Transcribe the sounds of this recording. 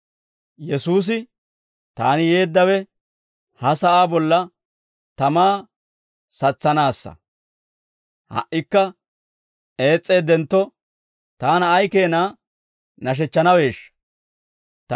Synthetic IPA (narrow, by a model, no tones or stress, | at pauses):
jɛsuːs̬ɪ | t̪aːnɪje̞ːd̪ːɐwɛ | hɐsɐʔaːbɔlːɐ | t̪ɐmaː | sɐt͡sːɐnaːsːɐ̰ | hɐ̰ʔɪkːɐ | e̞ːt͡sʼːe̞ːd̪ɛnt̪ːɔ | t̪aːnɐːjke̞ːnaː | nɐʃ̬ɛt͡ʃːɐnɐwe̞ːʃːɐ̥ | t̪